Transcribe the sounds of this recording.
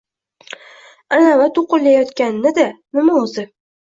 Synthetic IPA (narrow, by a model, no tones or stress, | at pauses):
anavat̪ʰʊqʊlːajɒt̪kʲannɪd̪anɪmaʊzɪ